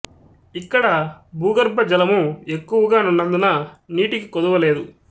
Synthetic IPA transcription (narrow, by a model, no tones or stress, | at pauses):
ikːɐɽɐbuːɡɐɾbɐd͡ʒɐlɐmue̞kːuʋɐɡaːnunːɐnd̪ɐnɐniːʈikikod̪ɐʋɐle̞ːd̪u